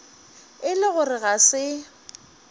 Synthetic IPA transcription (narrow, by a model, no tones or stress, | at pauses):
ɪlɪɣʊrɪɣasɪ